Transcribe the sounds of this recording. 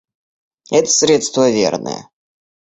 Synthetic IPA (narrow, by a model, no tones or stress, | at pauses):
ɛt̪ə̥sɾʲet̪st̪vəvʲḛrnʔɨ̰jə̰